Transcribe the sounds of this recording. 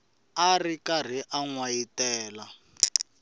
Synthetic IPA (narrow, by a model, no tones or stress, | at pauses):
arikar̤iʔaŋwajitɛːla